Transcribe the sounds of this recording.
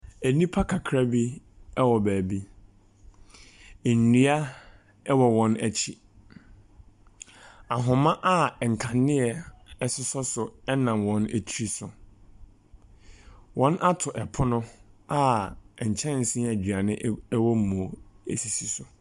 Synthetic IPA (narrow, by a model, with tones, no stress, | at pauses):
æ˨nĩ˦pʰa˦kʰa˨kʰɾa˦bi˦ | ɛ˦wɔ˨bæː˨bi˦ | e˨n̩˨ni˦a˦ | ɛ˦wɔ˨wɔ̃˦næ˨t͡ɕʰi˨ | a˨ɦʊ̃˨mã˦ʔa˦˨ŋ̩˨kʰã˨nːɪ̃˦ɛ˨ɛ˦sʊ˦sɔ˦sʊ˨ɛ˦nã˨mwɔ̃˦nḛ˨tʰɾi˦sʊ˨ | wɔ̃˦nʔa˦tʰʊ˨ʔɛ˨pʰʊ˦nʊ̃˦a˦ɛ˨ɲ̩˨t͡ɕʰɛ̃˦n˦n̩˨sĩ˦æ˨d͡ʑɥa˨nɪ̃˦ɛ˦wɔ˦m̩˦mõ˨ḛ˨si˨si˨sʊ˨